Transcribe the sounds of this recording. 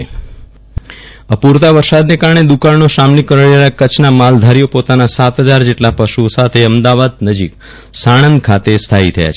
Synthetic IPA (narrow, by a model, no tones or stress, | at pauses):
əpuɾt̪aʋəɾsad̪nekaɾəɳ̃ed̪ukanːoʃamnikːəɾəɳelakət͡ʃʰnamald̪ʱaɾijopot̪anasat̪ɦəd͡ʒaɾd͡ʒeʈlapəʃuosat̪ʰeəmd̪aʋad̪̚nəd͡ʒik | saɽ̃ənkʰat̪est̪ʰaɦit̪ʰəja̰t͡ʃʰe